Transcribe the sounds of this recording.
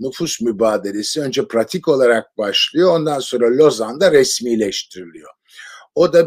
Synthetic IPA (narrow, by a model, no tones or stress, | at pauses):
nufusmybaːd̪elʲesiø̞nd͡ʒɛpʰɾat̪ʰiko̞lˠaɾak̚baʃlˠɯjo̞ond̪anso̞nɾalʲo̞zand̪aɾɛsmiːlʲɛʃt̪ʰiɾilʲijo | od̪a